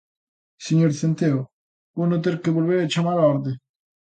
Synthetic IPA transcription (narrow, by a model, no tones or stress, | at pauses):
seɲoɾsent̪eo | onot̪̬eɾkebolbeɾet͡ʃʰamalaɔɾd̪e